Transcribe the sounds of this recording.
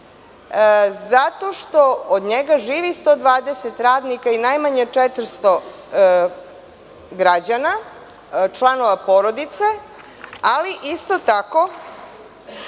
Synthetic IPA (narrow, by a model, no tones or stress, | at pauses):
zat̪o̞ʃt̪o̞od̪ɲeɡaʒiːʋist̪od̪ʋaːd̪eset̪ɾaːd̪nikainajmaɲet͡ʂɛt̪ɾst̪o̞ | ɡɾad͡ʑana | t͡ʃlˠano̞ʋapoɾod̪it̪se̞ | aliʔist̪o̞t̪ako̞